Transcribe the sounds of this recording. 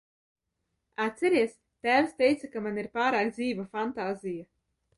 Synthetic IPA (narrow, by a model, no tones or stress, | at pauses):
at̪ʲsɛɾiɛs | t̪æːvst̪ʲɛjt̪sakamaniɾpaːɾaːkd̪ziːvafant̪aːzija